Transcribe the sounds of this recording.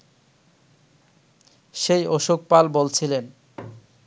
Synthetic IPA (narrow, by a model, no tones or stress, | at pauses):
ʃejoʃok̚palbolt͡ɕʰilen